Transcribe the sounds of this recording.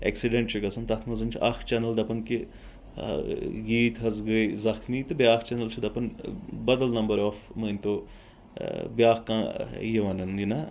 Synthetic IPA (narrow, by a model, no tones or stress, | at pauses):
ḛksiɖẽɳʈt͡ʃʰikɐsɐnt̪ɐt̪ʰmɐzɐnʲt͡ʃʰɐxʰt͡ʃɛnəld̪ɐpɐnki | ɡiːt̪ɦɐzɡəizɐxmiːt̪ɨbjaːkʰt͡ʃɛnəlt͡ʃʰid̪ɐpɐnbɐd̪əlnɐmbəɾoːfməːnʲt̪oː | bjaːkkãːjiʋɐnɐnjina